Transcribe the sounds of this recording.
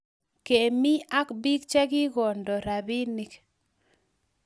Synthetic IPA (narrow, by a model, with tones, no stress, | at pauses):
ke˨mi˦a˦kbi˦kt͡ʃɛ˦ɡɪ˦ɡɔ˨ndɔ˨ɾa˨bi˦ni˦k